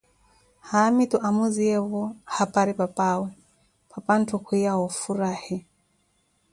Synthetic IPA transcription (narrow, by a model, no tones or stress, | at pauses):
haːmituʔamuziɛβɔhapaɾipapawɛ | pʰapan̩tʰukujawɔfuɾahi